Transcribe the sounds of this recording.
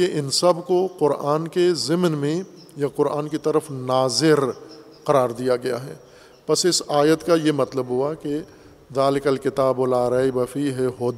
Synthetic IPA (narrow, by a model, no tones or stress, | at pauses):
eʔɪnsɐbʱkoqʊɾaːnkezɪmnmẽ | jaqʊɾa̰ːnkit̪ɐɾəfnaːzɪɾ | qɐɾaːɾd̪ijaɡɐja̰ɦɛ̰ː | pɐsɪsaːjət̪kajemɐt̪ləbɦʊake | d̪aːlɪkəlkɪt̪aːbʊlaːɾaːibɐfiɦɛɦoːd̪